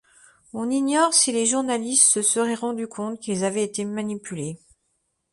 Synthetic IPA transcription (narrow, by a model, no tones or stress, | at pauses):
ɔ̃niɲɔʁsileʒuʁnalist̪səsəʁɛʁɑ̃d̪ykʰɔ̃t̪kʲilzavɛet̪emanipyle